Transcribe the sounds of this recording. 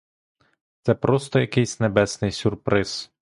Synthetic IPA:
t̪sɛpɾɔst̪ɔjɐkɪjsʲnebɛsnɪjsʲʊrpɾɪz̥

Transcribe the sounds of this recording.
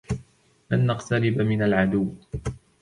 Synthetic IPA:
lanːaqt̪aɾɪbmɪnalʕad̪ʊwː

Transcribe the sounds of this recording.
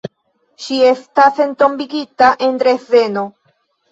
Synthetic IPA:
ʃie̞stase̞nto̞mbiɡitaʔe̞nd̪ɾe̞ve̞no̞

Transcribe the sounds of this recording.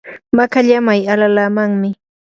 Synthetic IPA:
makaʎamajalalaːmaŋmɪ

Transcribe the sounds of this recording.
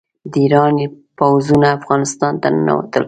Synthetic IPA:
d̪əiɾɑni | pawzunaːfɣɑnɪst̪ɑnt̪ana̰wa̰t̪əl

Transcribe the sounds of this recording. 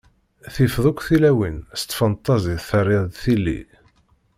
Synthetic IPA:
θifðˤʊkʷːθilæwinst̪ːfənt̪ˤːɑziθərːiðθilːḭ

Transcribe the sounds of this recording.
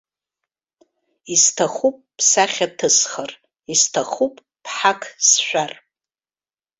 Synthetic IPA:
istʰaχupʼːsaχʲatʰɨsχar | istʰaχupʼ | pʰħakʰsʃʷᶣar

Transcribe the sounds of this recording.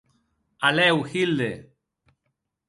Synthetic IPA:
alɛwxild̪e

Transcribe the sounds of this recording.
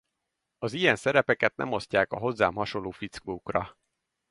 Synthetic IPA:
ɒzijɛnsɛɾɛpɛkɛt̪̚nɛ̰mo̞scaːkɒɦo̞zːaːmɦɒʃo̞lːoːfit̪skoːkrɒ

